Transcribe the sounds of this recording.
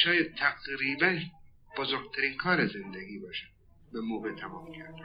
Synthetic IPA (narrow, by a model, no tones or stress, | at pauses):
ʃɒːjæd̪̚t̪ʰæɣɾiːbæn | b̥ozoɾɡ̚t̪ʰæɾiːnkʰɒːɾezend̪eɡiːbɒːʃæ̥n | bemoːvet̪ʰæmɒːmcʰæɾd̪